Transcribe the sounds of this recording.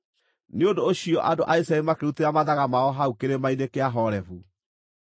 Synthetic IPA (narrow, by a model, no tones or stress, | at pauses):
neodoːɕiɔʔadoʔaisaemakeɾuteɾamaðaɣamaɔɦaukeɾemainekeaɦɔɾɛfu